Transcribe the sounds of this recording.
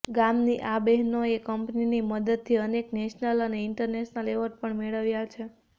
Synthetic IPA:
ɡamniʔabɛɦnoekəmpniniməd̪əd̪̚t̪ʰiənekneʃnələneɪɳʈəɾneʃnəleʋəɾʈ̚pəɳmeɭəʋjat͡ʃʰe

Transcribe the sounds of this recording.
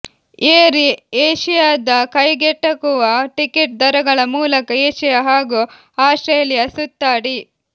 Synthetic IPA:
eːɾieːʃijaːd̪ɐkɐjɡɛʈːɐkuʋɐʈikeʈ̚d̪ɐɾɐɡɐɭɐmuːlɐkɐeːʃijaɦaːɡu | aːsʈɾeːljɐsut̪ːaːɽi

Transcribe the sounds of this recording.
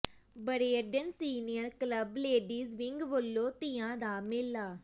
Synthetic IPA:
bəɾeːəɾɖənsiːnijəɾkləbleːɖiːzʋɪŋɡʋəlːoːt̪ɪːãːd̪aːmɪlːaː

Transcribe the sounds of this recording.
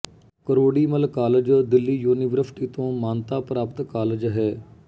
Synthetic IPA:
kəɾoːɽiːməlkaːləd͡ʒd̪ɪlːiːjuːniʋəɾsɪ̥ʈiːt̪õːmaːnt̪aːpɾaːpət̪kaːləd͡ʒɦɛː

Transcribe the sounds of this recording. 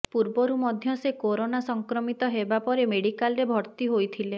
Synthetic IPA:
puɾbɔɾumɔd̪ʱjɔsekoɾonasɔŋkɾɔmit̪ɔɦebapɔɾemeɽikalɾebʱɔɾt̪iɦojt̪ʰile

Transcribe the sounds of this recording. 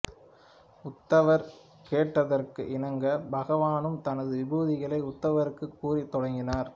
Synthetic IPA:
ʊt̪ːɐʋɐɾ | keːʈːɐðɐrkɯ̰ʔɪnɐŋɡɐbɐɣɐʋaːnɯmt̪ɐnɐðɯʋɪbuːðɪɣɐɭɐɪʊt̪ːɐʋɐɾɯkːɯkːuːrit̪ːɔɽɐŋɡɪnaːɾ

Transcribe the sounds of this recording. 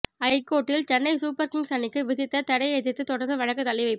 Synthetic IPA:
ɐɪkːoːʈːɪlt͡ʃɛnːɐɪsuːpɐɾkɪŋsɐnːɪkːɯʋɪðɪt̪ːɐt̪ɐɽɐɪeðɪt̪ːɯt̪ɔɽɐɾnd̪ɯʋɐɻɐkːɯt̪ːɐlɐɪʋɐɪpː

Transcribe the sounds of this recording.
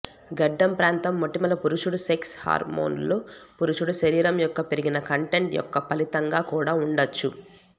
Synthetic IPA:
ɡɐɖːɐmpɾaːnt̪ɐmːoʈːimɐlɐpuɾuʂuɽuseksha̰ːɾmo̰ːnloːpuɾuʂuɽuʃɐɾiːɾɐmjɔkːɐpeɾiɡinɐkɐɳʈe̞ɳʈjɔ̰kːɐpɐlit̪ɐŋɡaːkuːɽaːuɳɖɐt͡ʃːu

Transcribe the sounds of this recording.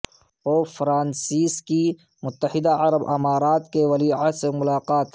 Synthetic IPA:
oːfɾãːnsiːski | mʊt̪ːəhɪd̪aɐɾəbɐ̰maːɾaːt̪keʋɐliasemʊlaːqaːt̪

